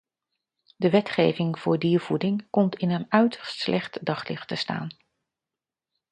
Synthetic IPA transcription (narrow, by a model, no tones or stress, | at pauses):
dəʋɛtχejvɪŋv̥ʊːɹdiːɹvudɪŋkɔmtɪnənœɥtəɹstslʔɛχtdɑχlɪ̰χtəsta̰ːn